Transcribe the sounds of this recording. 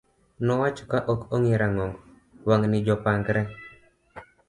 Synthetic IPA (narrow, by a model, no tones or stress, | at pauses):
nɔwat͡ʃɔkaʔokoŋiɾaŋɔŋɡ | waŋnɪd͡ʒɔpaŋɡɾɛ